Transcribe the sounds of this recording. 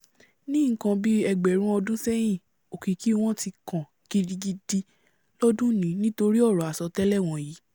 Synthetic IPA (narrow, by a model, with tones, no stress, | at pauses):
nĩ˦ŋ̩˦kã˧bi˦ɛ˧ɡ͡bɛ˨ɾ̃ũ˦ɔ˧dũ˦sɛ˦j̃ĩ˦˨ | o˨ki˨ki˦w̃ɔ̃˦ti˧kã˨ | ki˧di˧ɡi˧di˧ | lɔ˦dũ˦nĩ˨˦nĩ˦to˧ɾi˦ɔ˦˨ɾɔ˨a˨sɔ˨˧tɛ˦lɛ˦˨w̃ɔ̃˧ji˨˦